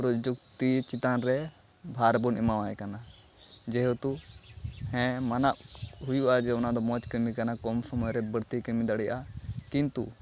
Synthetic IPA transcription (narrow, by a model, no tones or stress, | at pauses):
ɾɔd͡ʒuk̚t̪it͡ʃit̪anɾɛ | bʱaɾbunimawajɛkana | d͡ʒɛɦot̪u | hɛ̃manaʔɦujuʔad͡ʒɛɔnad̪ɔmɔt͡ʃkəɾmikanakɔmsɔmɔjɾɛbəɽt̪ikəɾmid̪aɽɛjʔakint̪ṵ